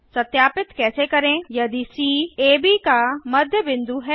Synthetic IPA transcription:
sɐt̪jaːpɪt̪kɛːsekɐɾẽjɐd̪isiːeːbikamɐd̪ʱjəbɪ̃nd̪uɦɛː

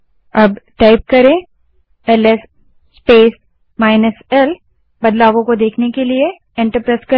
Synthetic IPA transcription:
ɐbʈaːɪp̚kɐɾẽː | ɛlɛsː | peːs | maːɪnəsɛl | bɐd̪laːʋõkod̪eːkʰnekelie | ẽːɳʈəɾpɾeːskɐ

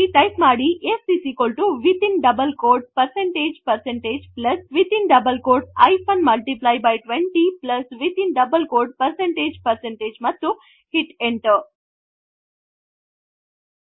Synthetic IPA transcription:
iʈajpmaːɽiʔesisikolʈuʋit̪ʰĩnɖɐbəlkoːɖ̚pəɾsẽɳʈeːd͡ʒpəɾsẽɳʈeːd͡ʒplɐsʋit̪ʰinɖɐbəlkoːɾɖa̰jfʰonmɐlʈiplajbajʈʋẽɳʈiplɐsʋit̪ʰinɖɐbəlkoːɾɖ̚pəɾsẽɳʈeːd͡ʒpəɾsẽɳʈeːd͡ʒmɐt̪ːu | hiʈeɳʈə

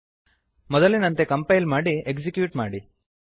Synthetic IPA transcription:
mɔd̪ɐlːinɐnt̪e̞kɐmpɐjlmaːɽiekd͡ʒikjuːʈmaːɽi

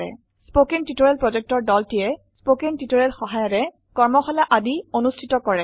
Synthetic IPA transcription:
ɛ̰ | spokentitoɹelpɹɔd͡ʒɛk̚tɔɹdɔltijɛ | spokentitoɹelxɔɦajɔɹɛ | kɔɹmɔxɔlaʔadionustʰitɔkɔɹɛ

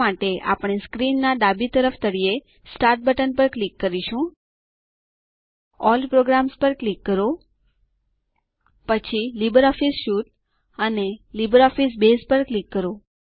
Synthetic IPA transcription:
aʈeʔa̰pɳ̃eskɾinːaɖ̪abit̪əɾəfʰt̪əɽie | sʈaɾʈ̚bəʈənpəɾklikːəɾiʃũ | ɔlpɾoɡɾamspəɾklikːəɾo | pət͡ʃʰilibəɾɔfisʃuʈ̚ | ənelibəɾɔfisbespəɾklikːəɾo

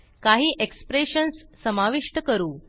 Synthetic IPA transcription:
kaɦiːʔekspɾeɕənsːəmaʋiʂʈəkəɾuː

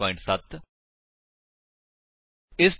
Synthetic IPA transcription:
ɔɪ̃ɳʈsɐt̪ | ɪs

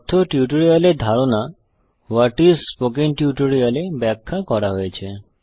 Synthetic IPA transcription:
t̪ʰːoʈjuʈoɾijaleɾd̪ʱaɾona | waʈiɾspok̬eŋʈjuʈoɾialebɛkʰːakɔɾaɦojet͡ɕʰe

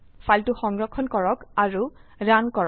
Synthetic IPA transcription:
faltʊxɔŋɡɹɔkʰːɔnkɔɹɔkaɹuɹankɔɹ

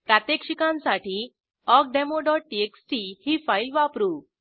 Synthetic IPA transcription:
pɾat̪jekʂikãnsaʈiː | ɔk̚ɖɛmoɖɔʈ̚ːieksʈihifailʋapɾuː

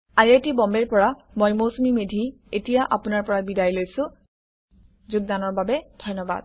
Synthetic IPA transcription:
aɹetibɔmbɛɹpɔɹa | mojmosumimedʱi | etijaʔapʊnaɹpɔɹabidajlojsʊ̃ | zʊɡ̚danɔɹbabɛdʱɔjnɔba̰d̥̚

